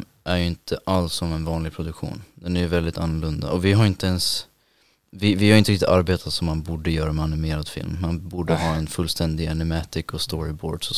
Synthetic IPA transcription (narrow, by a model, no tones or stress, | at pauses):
ʔæɾjɵɪnt̪ʰəʔalsːɔmɛnvɑːnlɪɡ̚pʰɾʊd̪ɵkɧṵːnd̪ɛnæɾjɵvɛld̪ɪt̪ʰanːʊlɵnd̪a̰ʔɔvɪɦaɾɪnt̪əɛns | vɪvɪhaɾʏɪnɾkt̪ɪt̪aɾbeːt̪ʰat̪sɔmːanbuːɖəjœːɾamɛanɪmeːɾad̪fɪ̰lmːanbuːɖəɦɑːɛnfɵlst̪ʰɛnd̪ɪɛnɪmɛːt̪ɪkɔst̪ɔɾɪbo̰ːɖsɔ